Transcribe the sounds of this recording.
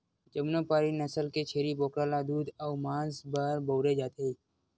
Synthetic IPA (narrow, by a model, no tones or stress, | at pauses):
d͡ʒəmnõːpaːɾiːnəsəlket͡ʃʰeːɾiboːkɾaːlaːd̪uːd̪əːmãːsbaɾbəːɾeːd͡ʒaːt̪e